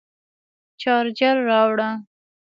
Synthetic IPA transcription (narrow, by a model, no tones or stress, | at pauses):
t͡ʃɑɾd͡ʒaɾːɑwɽa